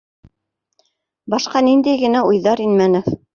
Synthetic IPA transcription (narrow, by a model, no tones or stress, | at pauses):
bɑʃqɑnind̪æjɡɘ̆næujðɑɾinmænɤf